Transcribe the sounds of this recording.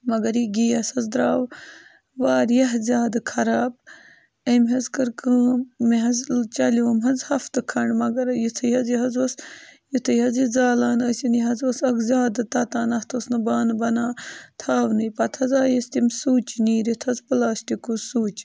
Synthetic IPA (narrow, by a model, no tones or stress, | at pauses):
mɐɡɐɾiɡiːɐsɐzd̪ɾaːʋ | ʋaːɾjɐɦzʲaːd̪kʰɐɾaːb̚ | ɐmʲɦɐzkɨɾkɨːmiɦɐzt͡ʃɐloːmɦɐzhɐft̪ɨkʰɐɳɖmɐɡɐɾjut̪ʰɐjhɐziɦɐzɐsjut̪ʰɐjɐzizaːlaːnɐsinjiɦɐzɐsɐkzʲaːd̪t̪at̪aːnɐht̪ʰosnɨbaːnbɐnaːt̪ʰaːʋnɨjpɐt̪ʰɐzaːjɐst̪imsuːt͡ʃniːɾit̪ʰɐzpɨlaːst̪ikuzsuːt͡ʃ